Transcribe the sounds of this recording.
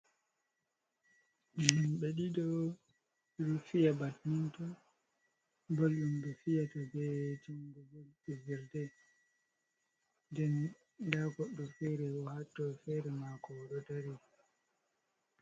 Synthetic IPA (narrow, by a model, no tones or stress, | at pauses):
ɓɛɗiɗɔ | ɾufijabatnintɔ | bolɗumbɛfijatɔbɛtiŋɡɔɡɔlɛviɾdɛ | ndɛn | daɡɔɗːɔfɛɾɛwɔhatːɔfɛɾɛmakɔɗɔdaɾi